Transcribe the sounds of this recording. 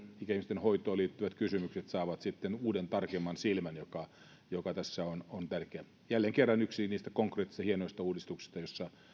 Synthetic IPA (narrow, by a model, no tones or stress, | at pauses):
ikæimist̪enhoit̪ˑoːliːt̪ːyʋæt̪kysymykset̪sɑːʋɑt̪sit̪ːenuːdent̪ɑrkemːɑnsilmænjokɑ | jokɑt̪æsːæonont̪ærkeæ | jælːeŋkerːɑnyksiniːst̪ækoŋkreːt̪ːist̪ɑhienoist̪ɑuːdist̪uksi̥st̪ɑjosːɑ